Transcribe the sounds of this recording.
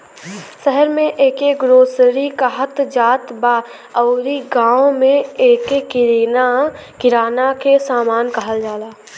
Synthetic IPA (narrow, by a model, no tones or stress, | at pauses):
ʃəɦəɾmẽʔeːkeɡɾoːsɾikaɦət̪d͡ʒaːt̪ba | ɔːɾiɡaːõmẽeːkekɪɾiːna | kɪɾaːnakesaːmaːnkəɦəld͡ʒaːlaː